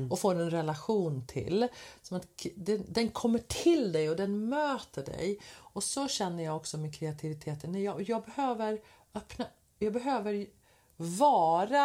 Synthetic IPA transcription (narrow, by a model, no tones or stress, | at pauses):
ɔfoːɾɛnɾɛlaɧuːnt̪ʰɪ̰lsɔmat̪d̪ɛnd̪ɛnkʰɔmːəʈʰɪld̪ɛjɔd̪ɛnmøːt̪əɖɛ̰jɔsɔɕɛnːəjɑːɡɔksɔmɛkʰɾɛat̪ʰɪvɪt̪ʰeːt̪ənːɛjɑɡjɑːɡ̚bɛhøːvəɾ | œpna | jɑːɡbɛɦøːvəɾ | vɑːɾa